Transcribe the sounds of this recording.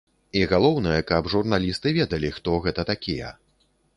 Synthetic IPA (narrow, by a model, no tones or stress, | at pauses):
iɣalˠɔwnɐjɛkɐbʐurnalʲist̪ɨvʲɛd̪ɐlʲixt̪ɔɣɛt̪ɐt̪akʲijɛ̰